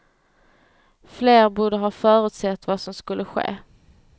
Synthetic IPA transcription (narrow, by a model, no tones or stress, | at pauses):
fleːɾbuːɖəɦɑːfœːɾʉ̟ːt̪sɛt̪ːvasɔmskɵlːəɧḛː